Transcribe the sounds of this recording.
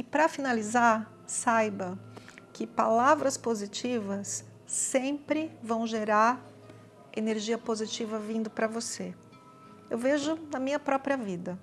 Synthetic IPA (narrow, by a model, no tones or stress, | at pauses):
ɪpɾɐfinalizaɾ | sajbɐkɪpa̰lavɾɐspozit͡ʃivɐsː | ẽpɾɪvɐ̃w̃ʒeɾaɾ | eneɾʒiɐpozit͡ʃivɐvĩnd̪ʊpɾɐvose | ewveʒʊnɐmĩɲɐpɾɔpɾiɐvid̪ɐ